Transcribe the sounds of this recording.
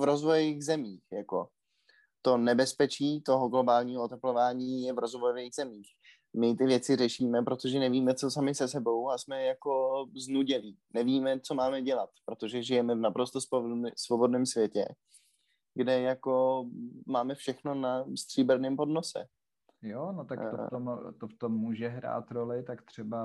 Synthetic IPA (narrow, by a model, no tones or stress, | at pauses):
vɾo̞zvojiɣzɛmiːxjako̞ | t̪o̞nɛbɛspɛt͡ʃiːt̪o̞ɦoɡlo̞baːlɲiːɦoot̪ɛplo̞vaːɲiːjɛvɾo̞zvojoviːɣzɛmiːx | mɪt̪ɪvjɛt͡sɪrɛʃiːmɛpɾot̪o̞ʒɛnɛviːmɛt͡sosamɪsɛsɛbo̞wasmɛjako̞znuɟɛliːnɛviːmɛt͡so̞maːmɛɟɛlat̪pɾo̞t̪o̞ʒɛʒɪjɛmɛvnapɾo̞st̪ossvo̞bo̞dnɛːmsvjɛcɛ̰ | ɡdɛjako̞maːmɛfʃɛxno̞nast̪r̥iːbɛɾnɛːmpo̞dno̞sɛ̰ | jonot̪ak̪omt̪oft̪omːuːʒɛɦɾa̰ːt̪ɾolɪt̪akt̪r̝̥ɛba